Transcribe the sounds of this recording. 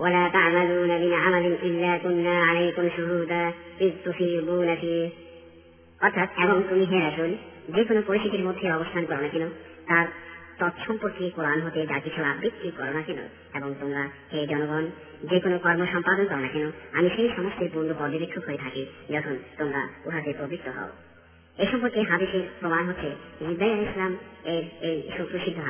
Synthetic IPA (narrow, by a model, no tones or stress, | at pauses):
walat̪aʕmaluːnaminamalinilːakunːaalejikonoʃuɾud̪apit̪ufibunafi | ɔɾt̪ʰat̪eboŋt̪umiɦẽɾaʃul | d͡ʑekonopoɾiʃit̪iɾmod̪ʱːeɔbost̪ʰankɔɾonakeno | t̪aɾt̪ɔt̪ʃʰɔmpoɾkikoɾanɦot̪ed͡ʑakit͡ɕʰuabbik̪ːikɔɾonakɛno̰ | eboŋt̪oŋɡahed͡ʑɔnoɡɔn | d͡ʑekonokɔɾmoʃɔmpad̪onkɔɾonakenoamiʃejʃɔmost̪ʰeɾpund̪opɔd̪ʱibekʰːokɦoet̪ʰakid͡ʑɔkʰont̪oŋɡa̰uɦat̪epɾobik̚t̪ʰoɦɔ̰o | eʃɔmpoɾkeɦad̪iʃeɾpɾomanɦot̪ːɕʰed͡ʑid̪ːajaɾislameɾejʃot̪ːɾuʃid̪ʱoɦ